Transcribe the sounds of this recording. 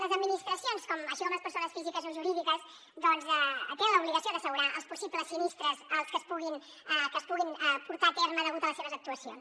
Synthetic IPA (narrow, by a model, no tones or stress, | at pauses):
ləzəd̪minist̪ɾəsionskɔməʃikɔmləspəɾsonəsfizikəzoʒuɾiðikəz | d̪ɔnzɛt̪eə̃nləuβliɣəsioðəsəɣuɾaʔəlˠspusibləsːinist̪ɾəzəlˠskəspuɣin | əkəspuɣinəpuɾt̪at̪ɛɾməðəɣut̪ələseβəzək̚t̪uəsio̰ns